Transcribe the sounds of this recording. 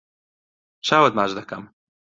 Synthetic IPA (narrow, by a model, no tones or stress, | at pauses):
t͡ʃaːwɐd̪̚maːʒd̪ɐkɐm